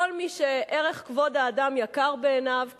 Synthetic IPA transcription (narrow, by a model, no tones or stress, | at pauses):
olmiʃeʔeʁeχkvo̞d̪aːdamjakaʁbe̞ːnav